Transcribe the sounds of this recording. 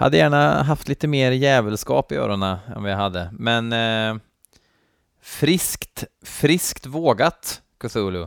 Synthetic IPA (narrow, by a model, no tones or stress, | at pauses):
ha̰d̪ːəjæːɳaɦaft̪liːt̪əmeːɾjɛːvəlskɑ̰ːpɪø̰ːɾʊnaɛ̰nvɪɦad̪ːəmɛn | fɾɪskt̪fɾɪskt̪voːɡat̪ | kʰɵsuːlʊ